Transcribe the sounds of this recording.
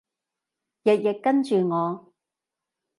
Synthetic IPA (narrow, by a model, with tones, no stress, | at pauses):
jɐ˨t̚jɪ˨kːɐ˥nt͡ʃyː˨ŋɔː˨˧